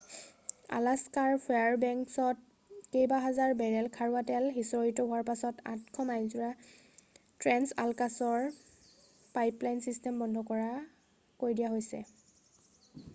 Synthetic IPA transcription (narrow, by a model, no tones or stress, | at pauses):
a̰laskaɹpʰɔaɹbɛŋksɔt̚ | kejbaɦazaɹbɛɹɛlkʰaɹuatɛlɦisɔɹitɔɦʊaɹpasɔta̰tkʰɔmajzuɹa | tɹɛnsa̰lkasɔɹ | pajplajnsistɛmbɔndʱɔkɔɹa | koɹjdijaɦojsɛ̰